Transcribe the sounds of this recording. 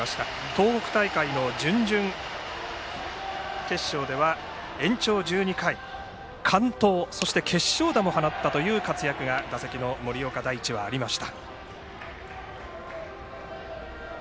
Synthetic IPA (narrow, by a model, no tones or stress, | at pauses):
ɕi̥t̪a | t̪o̞ːkokɯ̟̥t̪aikaino̞d͡ʑɨ̃ɲd͡ʑɨ̃ŋ | ke̞ɕːo̞ːd̪e̞βa | ẽ̞ɲ̟t͡ɕo̞ːd͡ʑɨːɲ̟ikai | kʰãnt̪o̞ːso̞ɕi̥t̪e̞kʰe̞ɕːo̞ːd̪amo̞hanat̪ːat̪o̞jɯ̟ːkat͡sɨjakɯ̟ɡad̪asekʲino̞mo̞ɾʲijo̞kad̪aiːt͡ɕiβaːɾʲimaɕi̥t̪ḁ